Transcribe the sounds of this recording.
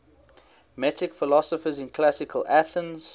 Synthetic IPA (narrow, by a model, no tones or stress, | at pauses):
mɛtɪkfɪlɔsəfəzɪ̃nkʰlasɪkʰəlʔaθə̃nz̥